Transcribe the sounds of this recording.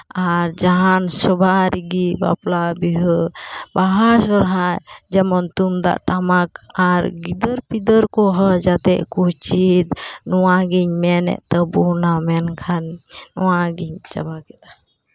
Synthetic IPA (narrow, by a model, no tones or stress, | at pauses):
aɾd͡ʒaɦansɔbaɾiɡiba̰plabiɦɔbaɦasɔɾɦajd͡ʒɛmɔnt̪umd̪a̰ʔʈamakaɾɡid̪əɾpid̪əɾkɔɦɔd͡ʒat̪ɛʔkut͡ʃid̪nɔwaɡiɲmɛnɛ̰ʔt̪əbunamɛnkʰanːɔwaɡiɲt͡ʃa̰bakɛt̪ḁ